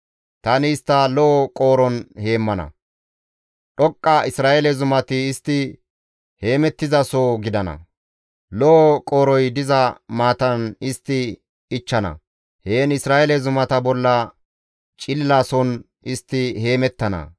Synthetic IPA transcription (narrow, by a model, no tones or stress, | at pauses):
t̪ɐnɪːst̪ːɐlɔʔɔkʼo̞ːɾɔnhe̞ːmːɐnɐ̰ | ɗɔkʼːɐɪsɾaːʔɛlɛzʊmɐt̪ɪːst̪ːɪ | he̞ːmɛt̪ːɪzɐsoːɡɪd̪ɐnɐ̰ | lɔʔɔkʼoːɾɔjd̪ɪzɐmaːt̪ɐnɪst̪ːɪ | ɪt͡ʃːɐnɐ̰ | heːnɪsɾaːʔɛlɛzʊmɐt̪ɐbɔlːɐ | t͡ʃʼɪlːaːsɔn | ɪst̪ːɪhe̞ːmɛt̪ːɐnɐ̰